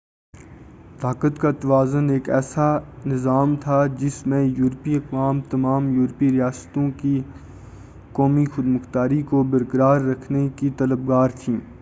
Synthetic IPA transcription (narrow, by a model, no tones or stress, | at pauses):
t̪aːkət̪kat̪ɐʋaːzəneːkɛ̰ːsanɪzaːmt̪ʰad͡ʒɪsmẽjuːɾpiɐkʋaːmt̪ɐmaːmjuːɾpiɾijaːst̪õki | kɔːmixʊd̪mʊxt̪aːɾikobɐɾkəɾaːɾːɐkʰnekit̪ɐləb̚ɡaːɾt̪ʰĩː